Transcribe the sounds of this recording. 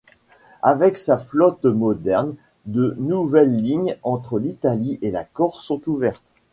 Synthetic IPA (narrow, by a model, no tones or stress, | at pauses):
avɛksaflɔt̪mɔd̪ɛʁn | d̪ənuvɛlːiɲɑ̃t̪χəlit̪aliʔela̰kɔʁsɔ̃t̪uvɛʁt̪